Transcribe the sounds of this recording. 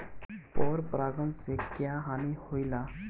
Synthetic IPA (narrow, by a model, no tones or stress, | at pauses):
pɔːɾpɾaːɡənsekjaːɦaːnihoːilaː